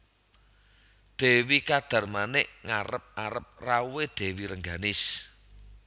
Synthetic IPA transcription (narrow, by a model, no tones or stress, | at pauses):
d̪̥e̤wikad̪̥a̤rmanɛʔŋaɾəp̚aɾəp̚rawed̪̥e̤wiɾəŋɡanɪs